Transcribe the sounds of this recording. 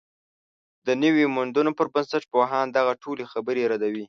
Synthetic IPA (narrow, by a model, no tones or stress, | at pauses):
d̪ənəwimʊnd̪unopəɾbənsaʈ̚poɦɑnd̪aɣaʈʰolexabəɾeɾad̪awi